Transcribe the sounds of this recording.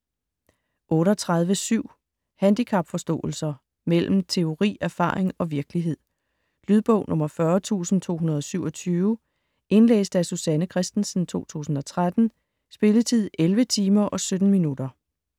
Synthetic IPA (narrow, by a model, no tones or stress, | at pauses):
ʔɔ̽ːɾɒt͡sʰʁað̞ˠʋəsyʊ̰ | hænd̥ikʰɑ̈b̥fɒ̽sd̥ɔ̰̽ːl̩sɐ | mel̰m̩t͡sʰe̝o̝ʁḭːæɐfɑ̰̈ːeŋɒ̽ʋiɐɡ̥liɦe̝ð̞̰ˠ | lyðˠb̥ɔ̽ʊ̰nʔɔ̽mɐfɶɐt͡sʰṵːsn̩t͡sʰo̝̰ːɦunɐð̞ˠɒ̽syʊɒ̽t͡sʰyːʊ | e̝nlḛːsd̥æsusænəkʰʁɛsd̥n̩sn̩t͡sʰo̝̰ːt͡sʰṵːsn̩ɒ̽t͡sʰʁad̥n̩ | sb̥e̝lət͡sʰið̰ˠelʋət͡sʰiːmɐʔɒ̽sød̥n̩minudɐ